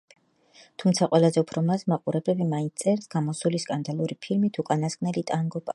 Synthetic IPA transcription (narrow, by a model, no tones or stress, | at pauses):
t̪ʰumt̪sʰaqʼwɛlˠazɛupʰɾɔmasmaqʼuɾɛbɾɛbimaint̪ssʼɛɾsɡ̥amɔsuliskʼand̪alˠuɾipʰilmit̪ʰukʼanaskʼnɛlit̪ʼaŋɡɔba